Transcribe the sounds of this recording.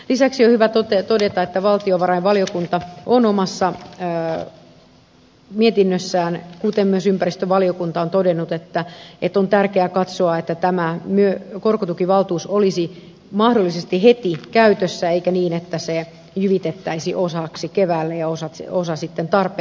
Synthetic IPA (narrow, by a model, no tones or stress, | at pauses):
lisæksiohyʋæt̪ot̪et̪odet̪ɑet̪ːæʋɑlt̪ioʋɑrɑjʋʋɑliokunt̪ɑʔonomɑsːɑ | miet̪inːøsːæːnkut̪emmyøsympæɾist̪øʋɑliokunt̪ɑont̪odenːut̪et̪ːæet̪ːˑont̪ærkeækɑt̪soɑet̪ːæt̪æmæmyøkorkot̪ukiʋɑlt̪uːsolisi | mɑhdolːisest̪ihet̪ikæyt̪øsːæeikæniːnet̪ːæse | jyʋit̪et̪ːæisiʔosɑksikeʋæːlːejɑosɑosɑsit̪ːent̪ɑrpe